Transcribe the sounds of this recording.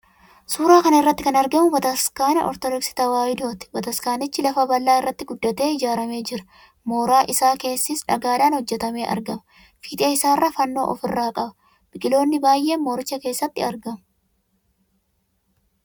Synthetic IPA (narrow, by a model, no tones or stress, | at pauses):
suːɾaːkɐnɐɪrːɐt̪ːɪkɐnɐɾɡɐmʊbɐt̪ɐskaːnɐʔɔɾt̪ɔd̪ɔksɪ̥t̪ɐwaːjɪd̪oːt̪ɪ̥bɐt̪ɐskaːnɪt͡ʃːɪlɐfɐbɐlːaːɪrːɐt̪ːɪɡʊd̪ːɐt̪e̞ːɪd͡ʒaːɾɐme̞ːd͡ʒɪɾɐ̥ | mo̞ːɾaːʔɪsaːke̞ːsːisᶑɐɡaːd̪aːnhɔd͡ʒːɛt̪ɐme̞ːʔɐ̰ɾɡɐmɐ̥ | fiːt̪ʼɐɪsaːrːɐfɐnːo̞̰ːʔɔfɪrːaːkʼɐbɐ̥ | b̥ɪkʼɪlo̞ːnːɪbaːjʔe̞ːnmːo̞ːɾɪt͡ʃːɐke̞ːsːɐt̪ːɪɐɾɡɐmʊ̥